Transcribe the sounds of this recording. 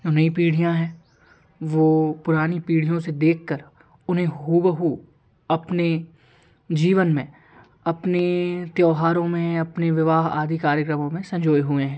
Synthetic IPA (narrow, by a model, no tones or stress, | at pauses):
d͡ʒoːnɐĩpiːɽ̤ijãɦɛ̃ː | ʋoːpʊɾaːnipiːɽijõsed̪eːkʰkəɾ | ʊnɦẽɦuːbəɦu | ɐpne | d͡ʒiːʋənmẽ | ɐpnet̪jɔːɦaːɾõmẽɐpneʋɪʋaːɦa̰ːd̪ʱikaːɾjəkɾəmõmẽsɐ̃ɲd͡ʒoːjɦʊeɦɛ̃ː